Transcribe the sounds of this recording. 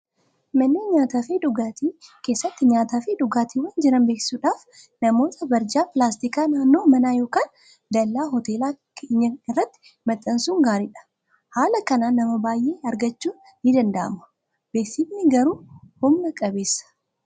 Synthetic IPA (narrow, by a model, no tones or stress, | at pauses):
mɐnːeːɲaːt̪aːfeːᶑ̪ʊɡaːt̪iːke̞ːsːɐt̪ːɪɲaːt̪aːfeːᶑ̪ʊɡaːt̪iːwaːnd͡ʒɪɾɐnbe̞ːksɪ̥suːᶑaːf | nɐmo̞ːt̪ʰɐbɐɾd͡ʒaːpɪlaːst̪ikaːnaːnːo̞ːmɐnaːjo̞ːkaːn | d̪ɐlːaːɦɔt̪e̞ːlaːkʰeːɲːɐɪrːɐt̪ːɪ̥ | mɐt̪ʼːɐnsuːŋɡaːɾɪᶑɐ̥ | haːlɐkɐnaːnːɐmɐbaːjʔe̞ːɐɾɡɐt͡ʃːuːnːɪd̪ɐnd̪ɐʔɐ̰mʊ̥ | b̥eːksɪmnɪɡɐɾuːhʊmnɐkʼɐbe̞ːsːɐ̥